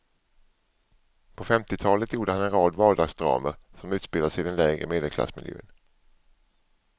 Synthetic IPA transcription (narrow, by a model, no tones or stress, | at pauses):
pʰɔfɛmt̪ɪt̪ʰɑːlət̪ʰjuːɖəhanɛnɾɑːd̪vɑːɖɑːɡsd̪ɾɑ̰ːməɾsɔmʉ̟ːt̪sb̥ɪlasɪd̪ɛnlɛːɡɾə̰meːd̪əlkʰla̰smɪ̰ljø̰ːn